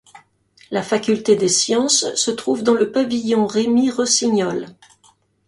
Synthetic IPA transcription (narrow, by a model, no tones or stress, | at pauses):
lafakʲylt̪ed̪esjɑ̃sːət̪χuvd̪ɑ̃ləpavijɔ̃ʁemiʁəsiɲɔl